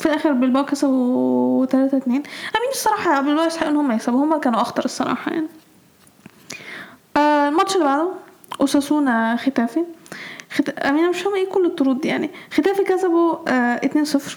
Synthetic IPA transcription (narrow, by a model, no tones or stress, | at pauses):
filʔæːxeɾbelbækæsæbowet̪ælæːt̪æt̪neːnʔæmiːnesˤːɑɾˤɑːħɑjbelbæʔesħaːʔenːohomːæjesæbuhomːækæːnuʔɑxt̪ˤɑɾˤesˤːɑɾˤɑ̰ːħɑ̰ja̰ʕni | ʔæːlmɑt̪ʃelːibaʕd̪om | ʔosæsuːnxet̪æːfixet̪æʔæmiːnmeʃhomːæʔeːkolːet̪ˤːoɾuːd̪jaʕnixet̪æːfikæsæboʔet̪neːnsˤefɾ